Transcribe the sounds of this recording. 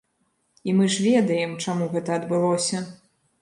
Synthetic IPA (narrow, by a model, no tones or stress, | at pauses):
imɨʐvʲɛd̪ɐjɛmt͡ʂamuɣɛt̪ɐːd̪bɨlˠɔsʲɐ